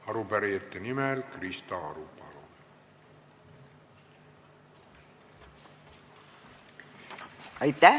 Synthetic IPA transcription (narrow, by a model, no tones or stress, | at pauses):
ɑɾupæɾiet̪ːenimelkrist̪ɑɑɾupɑ̰lo | ɑjt̪ːæ